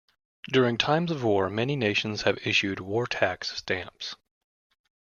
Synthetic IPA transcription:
d̥ʊɹɪ̃ŋtʰãɪ̃mzʌvwɔɹmɛnineɪʃn̩z̥ɨvɪʃʉd̚wɔɹtʰækstæ̃mps

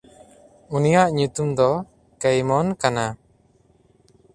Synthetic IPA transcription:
unijaʔɲut̪umd̪ɔ | kɛjmɔnkana

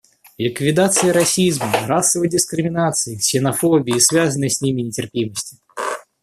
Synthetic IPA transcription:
lʲɪkvʲɪd̪at̪sɨjəɾasʲizmɐɾasːəvədʲɪskɾɪmʲɪnat̪sɨjisʲɪnɐfobʲijːsvʲazənɨjsʲnʲimʲɪnʲɪtʲɪrpʲiməsʲtʲi̥

